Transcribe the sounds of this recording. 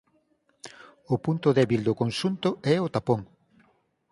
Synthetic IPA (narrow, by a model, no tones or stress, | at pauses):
ʊpunt̪ʊðɛβild̪ʊkonʃunt̪ʊɛot̪apoŋ